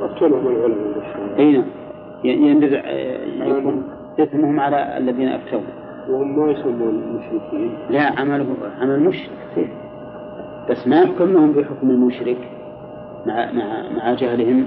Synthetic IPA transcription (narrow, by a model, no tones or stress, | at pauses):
ʔaft̪alhʊmalʕʊlamabaʃaʔejnaʕm | jjɪdɪðʕja̰kuːn | t̪ɪsamːuhʊmʕalaa̰lːaðiːnaʔa̰ft̪aɾun | whʊmːajsamːuːnlmʊʃɾɪkʰiːnlaʕamalhʊʕamalmʊʃɾɪksḭːf | b̥asːmajʊħkamlʊhʊmbɪħʊkmalmʊʃɾɪk | maʕmaʕmaʕad͡ʒahlɪhɪm